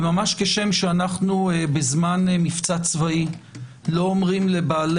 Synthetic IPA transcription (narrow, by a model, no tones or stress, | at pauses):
mamaʃkeʃe̞mʃeanaχnuebezmanmift͡sat͡svai | lo̞omʁimle̞baːle